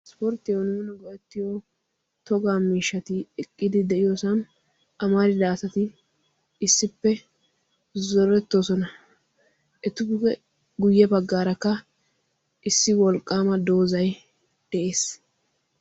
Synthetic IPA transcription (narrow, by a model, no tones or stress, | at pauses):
spɔɾt̪ːɪjonuːnɛɡɔʔɛt̪ːɪjo | t̪ɔɡaːmiːʃːɐt̪ɪɛkʼːɪd̪ɪd̪ɛʔɪjoːsɐn | ɐmaɾɪd̪aːsɐt̪ɪ | ɪsːɪpːɛ | zɔɾɛt̪ːoːsɔnɐ | ʔɛt̪ːʊɛ | ɡʊjːɛbɐɡːaːɾɐkːɐ | ʔɪsːɪwɔlkʼːaːmɐd̪oːzɐj | d̪̥ɛʔe̞ːs